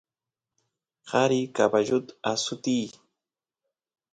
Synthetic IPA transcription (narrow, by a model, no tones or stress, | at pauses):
qɑɾikabaʒʊt̪asʊt̪ij